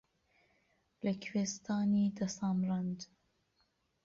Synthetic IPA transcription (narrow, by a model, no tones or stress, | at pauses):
lɐkʰweːst̪ʰɑːnid̪ɐsɑːmɾand̪